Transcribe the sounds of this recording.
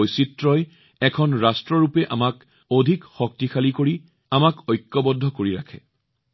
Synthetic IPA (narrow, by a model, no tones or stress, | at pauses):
ojsitɹɔj | ɛkʰɔnɹastɹɔɹupɛʔamak | odʱikxɔk̚tixʰalikoɹi | amakɔjkːɔbɔdʱːɔkoɹiɹakʰɛ̰